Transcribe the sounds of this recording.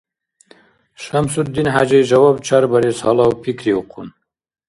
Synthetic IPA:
ʃamsut̪̚d̪inɦa̰d͡ʑejʒɐwab̚t͡ʃʰaɾbɐɾesa̰lawpʰikɾiuqun

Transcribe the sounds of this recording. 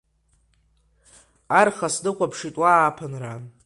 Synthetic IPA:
arχasdɨqʷʼapʰʂitʼwaːpʰɨnra

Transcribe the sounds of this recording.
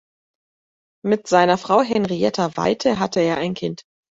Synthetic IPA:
mɪtz̥aɪnɐfʁ̥aʊɦɛnʁiɛtʰava̰ɪtʰəɦatəeːɐaɪnkʰɪnt

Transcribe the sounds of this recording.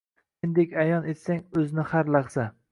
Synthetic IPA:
end̪ekʲajɒne̞t̪saŋɵzɪnɪhaɾlaχsa

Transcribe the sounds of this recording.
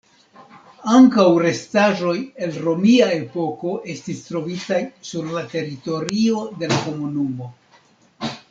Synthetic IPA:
aŋkawɾe̞staʒo̞je̞lɾo̞miae̞po̞ko̞ʔe̞stistɾo̞vitajsuɾlate̞ɾito̞ɾio̞de̞lako̞munumo̞

